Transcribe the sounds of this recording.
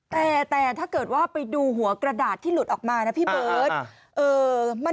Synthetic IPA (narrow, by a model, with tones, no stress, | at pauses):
t̪ɛː˨˩t̪ɛː˨˩t̪ʰaː˥˩kɤː˨˩t̪̚waː˥˩pa˧jduː˧ɦu˩˦ɐkɾa˧daː˨˩t̪ʰːiː˥˩lu˨˩t̪̚ʔɔː˨˩k̚maː˧na˦˥pʰiː˥˩bɤː˦t̪̚ | ʔɤː˧ma˧